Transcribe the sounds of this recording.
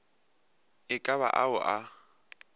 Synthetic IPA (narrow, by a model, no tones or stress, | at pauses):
ɪkʼaβa̰ʔaʊʔa